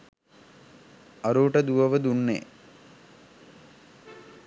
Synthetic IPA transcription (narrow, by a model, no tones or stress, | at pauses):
aɾuːʈəd̪uʋəʋəd̪unːḛ